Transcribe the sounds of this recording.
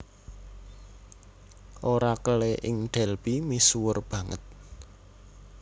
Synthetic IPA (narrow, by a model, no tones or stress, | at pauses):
ʔoɾakəleʔɪŋɖ̪̥ɛ̤lpimisuwʊrb̥ä̤ŋə̰t̪̚